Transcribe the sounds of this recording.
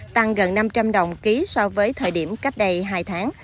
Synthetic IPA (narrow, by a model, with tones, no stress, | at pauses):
t̪a˧ŋɣə˨˩nːa˧mt͡ɕa˧mɗə˨˩wŋ͡mki˨˦sɔ˧vəː˨˦jt̪ʰəː˨˩jɗi˧˩əmka˦˥jk̟̚ɗə˧jɦaː˧jt̪ʰaː˨˦ŋ